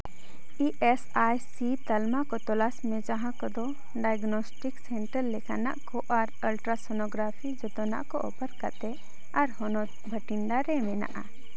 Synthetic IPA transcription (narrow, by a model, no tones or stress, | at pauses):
iʔɛs | ajsit̪əlmakɔt̪ɔlasmɛd͡ʒãɦãkɔd̪ɔ | ɖajɡnɔsʈiksɛɳʈəɾːɛkana̰ʔkɔʔaɾəlʈɾasɔnɔɡɾapʰid͡ʒɔt̪ɔna̰ʔkɔ̰ʔɔ̰pəɾka̰t̪ɛ | aɾhɔnɔ | bʱəʈiɳɖaɾɛmɛna̰ʔa̰